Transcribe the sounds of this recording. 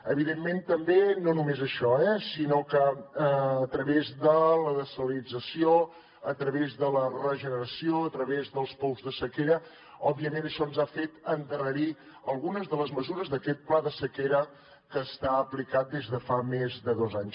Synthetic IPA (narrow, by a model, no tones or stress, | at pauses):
əβiðemːent̪əmbenonumezəʃɔɛsinokəː | t̪ɾəβezðələðəsəllid͡zəsio | ət̪ɾəβezðələrəʒənəɾəsioət̪ɾəβezðəlˠspɔwzðəsəkeɾə | ɔbiəmenəʃɔnzafet̪ənt̪ərəɾi | əlˠɣunəzðələzməzuɾəzðəkɛt̪̚plaðəsəkeɾə | kəːst̪aəplikat̪̚d̪ezðəfamezðəðozaɲs